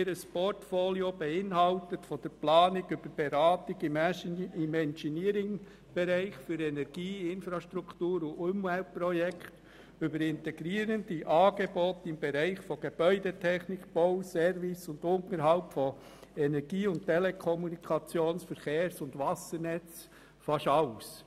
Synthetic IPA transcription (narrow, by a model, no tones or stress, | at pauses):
ɪɾəspɔɾtfoliob̥ɛɪnɦɑltətfɔd̥əɾplɑːnɪɡʏb̥əɾb̥eɾɑːtɪɡ | ɪmɛnsiniəɾɪŋ | b̥ɛɾæɪχfyɾɛnɛɾɡ̥iːɪnfɾɑʃtɾuktuːɾʊʊmvɛlt̚pɾɔjɛkʰt | ʏbəɾɪntɛɡ̥ɾiːəɾənd̥iʔɑːɡ̥ebɔt̪ɪmbeɾæɪχfɔɡ̥eb̥œʏdɛtʰɛχnɪkb̥ɔʊsɛɾvɪsʊnd̪ʊntəɾɦɑʊtfɔ | ɛnɛɾɡ̥iːʊnttɛlekʰɔmunikʰɑt͡sjoːnsfəɾχeːɾsʊndʋɑsəɾnɛt͡s | fɑʃɑʊs